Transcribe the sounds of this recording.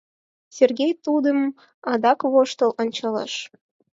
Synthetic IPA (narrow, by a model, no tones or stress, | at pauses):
sʲerɡʲejt̪ud̪əm | ɑd̪ɑkβoʃt̪ə̆lonʲt͡ɕɑlɑ̰ʃ